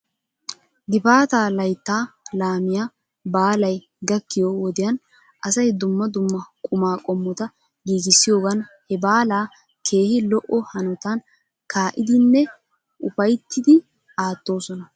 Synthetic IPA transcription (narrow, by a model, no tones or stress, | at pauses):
ɡ̪ɪpaːt̪aːlɐjt̪ːaːlaːmɪja | baːlɐj | ɡɐkːɪjoːwɔd̪ɪjɐn | ʔɐsɐjd̪ʊmːɐd̪ʊmːɐkʼʊmaːkʼɔmːɔt̪ɐ | ɡiːɡɪsːɪjo̞ːɡɐnhɛbaːlaː | kʰe̞ːhɪlɔʔɔhɐnɔt̪ɐn | kʰaːʔɪd̪ɪnːɛ | ʔʊfɐjt̪ːɪd̪ɪ | aːt̪ːo̞ːsɔnɐ